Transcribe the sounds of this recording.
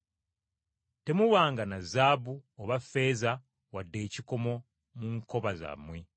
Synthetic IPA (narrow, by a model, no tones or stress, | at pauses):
te̞muwaːŋɡanazaːbuoβafe̞ːza | wadːe̞ːciko̞mo̞ | muŋko̞βaza̰mːwe